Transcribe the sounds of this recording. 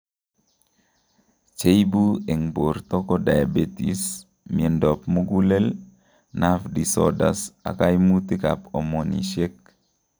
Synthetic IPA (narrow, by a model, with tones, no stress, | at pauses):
t͡ʃe˦jbu˦e˨ŋbo˨ɾt̪ɔ˦kɔ˦da˨ja˨be˦tḭs | mi˨e˨ndɔ˨pmu˦ɡu˦le˦l | nafdi˨sɔ̰˦da̰sa̰˨ka˦jmut̪i˦ka̰˨pɔ˨mɔ˨nḭ˨ʃe˦k̚